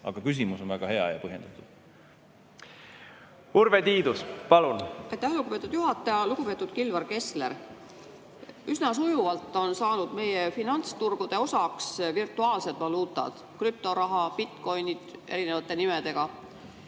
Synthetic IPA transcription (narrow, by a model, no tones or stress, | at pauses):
ɑ̰ɡ̥ɑkys̬imusonvæɡ̥ɑhe̞ɑ̰jɑ̰pɤɦje̞nd̪̥ɑt̪ːˑud̪̥ | uɾvet̪iːd̪uspɑlunɑjt̪ːˑæhluɡupe̞t̪ːˑud̪̥juɦɑt̪ːˑɑjɑluɡ̥upe̞t̪ːˑud̪̥kilvɑrke̞sleɾ | ysnɑs̬ujuvɑlt̪ːˑo̞nsɑːnud̪̥me̞jefinɑnt̪st̪urɡ̥ud̪̥e̞o̞sɑksvirt̪ˑuɑːlse̞d̪̥vɑluːt̪ˑɑ̰d̪̥kryp̚t̪o̞ɾɑɦɑpit̪ˑko̞jnid̪̥ʔe̞̰ɾine̞vɑt̪ːˑe̞nimed̪̥e̞ɡ̥ɑ